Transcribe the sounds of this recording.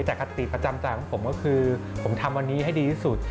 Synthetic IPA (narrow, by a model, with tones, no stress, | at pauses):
jt͡ɕɛː˨˩kʰa˧t̪i˨˩pɾa˧t͡ɕa˧mt͡ɕaː˧˩kʰpʰo˩˦mkɔː˥˩kʰɯː˧pʰo˩˦mt̪ʰa˧mwa˧nːiː˦˥ɦa˥˩jdiː˧iː˥˩su˨˩t̪̚